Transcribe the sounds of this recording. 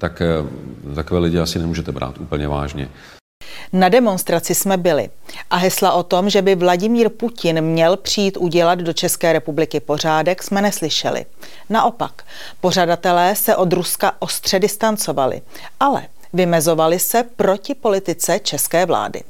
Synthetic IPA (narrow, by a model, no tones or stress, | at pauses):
t̪ak | t̪akovɛːlɪɟɪasɪnɛmuːʒɛt̪ɛbɾʔa̰ːt̪ʔuːpl̩ɲɛva̰ːʒɲɛ̰ | nadɛmo̞nst̪ɾat͡sɪsmɛbɪlɪ̰ʔaɦɛslaʔo̞t̪o̞mʒɛbɪvlaɟɪmiːɾpucɪnmɲɛlpr̝̥ijiːt̪ʔuɟɛlad̪do̞t͡ʃɛskɛːɾɛpublɪkɪpo̞r̝aːdɛksmɛnɛslɪʃɛ̰lɪ̰ | naʔo̞pak | po̞r̝adat̪ɛlɛːsɛʔo̞d̪ɾuskaʔo̞st̪r̝̥ɛdɪst̪ant͡so̞valɪ̰ | ʔalɛ̰ | vɪmɛzo̞valɪsɛpɾo̞cɪpo̞lɪt̪ɪt͡sɛt͡ʃɛskɛːvla̰ːdɪ̰